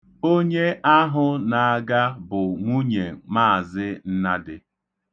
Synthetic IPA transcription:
o˦ɲe˦ʔa˦ɦʊ˦na˨a˨ɡa˦bʊ˨ŋʷu˦ɲe˨maː˦˨zɪ˦n̩˦na˦dɪ˦

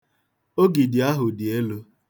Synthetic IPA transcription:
o˦ɡi˨dɪ˨a˦ɦʊ˨dɪ˨e˦lo˦

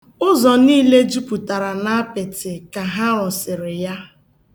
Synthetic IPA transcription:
ʊ˦zɔ˨niː˦le˦d͡ʒu˦pu˨ta˨ɾa˨na˦a˦pɪ˨tɪ˨ka˨ɦa˦ɔ˨sɪ˨ɾɪ˨ja˦

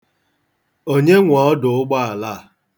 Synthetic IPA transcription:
o˦ɲe˦ŋʷɔ˨ɔ˦dʊ˨ʊ˦ɡ͡ba˦a˨la˦˨

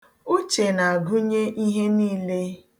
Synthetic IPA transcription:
u˦t͡ʃe˨na˨a˨ɡʊ˦ɲe˦ʔi˦ɦe˦niː˦le˦

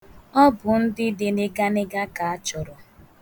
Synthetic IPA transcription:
ɔ˦bʊ˨n̩˦dɪ˦dɪ˦ne˦ɡa˦nɪ˦ɡa˦ka˨a˦t͡ʃʊ˨ɾɔ˨

